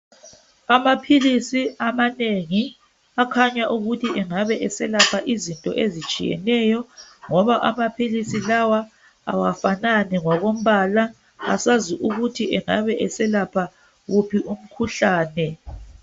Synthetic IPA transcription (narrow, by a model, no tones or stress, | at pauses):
amapʰilisiamaneŋi | akʰaɲaʔuɣutʰiɛŋaβɛʔɛsɛlapʰaʔizintʼɔ̰ʔezit͡ʃʼḭjɛ̰nɛjɔŋɔβaʔamapʰilisilawa | a̰wafananɛŋwaɣom̩βala | a̰saziʔuɣutʰiʔɛŋaβɛʔɛsɛlapʰa | ɣupʰiʔum̩kʰuɬaːnɛ